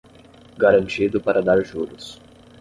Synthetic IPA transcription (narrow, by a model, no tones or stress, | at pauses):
ɡaɾɐ̃nt͡ʃid̪ʊpaɾɐd̪aɾʒuɾʊs